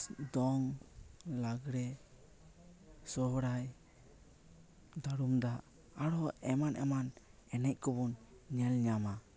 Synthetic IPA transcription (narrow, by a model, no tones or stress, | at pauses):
d̪ɔŋ | laɡɾɛ | sɔɦɽaj | d̪aɽumd̪aʔː | ɽɔɛmanʔɛ̰manɛnɛc̚kɔbɔnɲɛlɲama